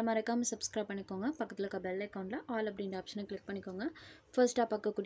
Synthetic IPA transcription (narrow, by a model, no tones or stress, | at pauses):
ɐmaːɾɐkːaːmɛsɐbskɾɐːb̚pːɐɳːɪkːoːŋɡɐpɐkːɐt̪ːɪlɐkːɐbɐlːɐkːɐʊɳɖlɐʔaːlɐp̬ːɐɽɪɳɖaːpʂɐnɐklɪk̚pɐɳːɪkːoːŋɡɐfɐɾsʈaːpːɐːkːɐkːuːɽ